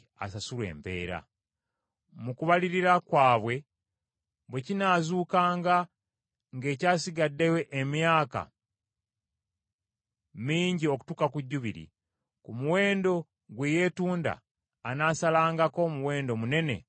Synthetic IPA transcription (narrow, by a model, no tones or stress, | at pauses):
a̰sasulwe̞̰ːmpe̞̰ːɾa̰ | mukuβaliɾiɾakwaːβwe̞ | βwe̞cinaːzuːkaːŋɡa | ŋɡe̞ːcaːsiɡadːewe̞ʔemjaːka̰ | miːɲɟio̞ku̥tukakuɟːuβḭɾḭ | kumuwe̞ːndo̞ | ɡweje̞ːtuːnda̰ː | naːsalaːŋɡako̞muwe̞ːndo̞mune̞ne̞̰